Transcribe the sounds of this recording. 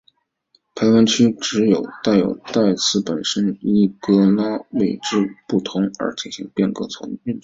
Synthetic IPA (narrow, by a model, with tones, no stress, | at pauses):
pʰa˧˥ɪwa˧˥nt͡ɕʰy˥ʈ͡ʂɻ̩˧˥jo˨˩ʊt̪a˥˩ɪjo̰˨˩ʊt̪a˥˧ɪt͡sʰɹ̩˥˩pə˨˩nʂə˥ni˥˩kɤ˥la˥we˥˩ɪʈ͡ʂɻ̩˥˧pu˥˩t̪ʰʊ˧˥ŋə̰˞˧˥t͡ɕi˨˩nɕi˧˥ŋpjɛ˥˩nkɤ̰˧˥t͡sʰʊ̰˧˥ŋy˥˩n